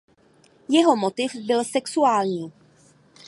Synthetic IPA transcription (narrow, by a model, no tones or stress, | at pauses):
jɛɦo̞mot̪ɪfbɪlsɛksuaːlɲiː